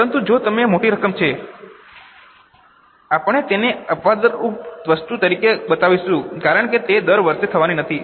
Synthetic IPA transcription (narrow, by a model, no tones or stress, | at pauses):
pəɾənt̪ud͡ʒot̪əmemoʈiɾəkəmt͡ʃʰe | apəɳ̃et̪eneəpʋad̪əɾup̪ʋəst̪ut̪əɾikebət̪aʋiʃũkaɾəɳket̪ed̪əɾʋəɾʃet̪ʰəʋaninət̪ʰi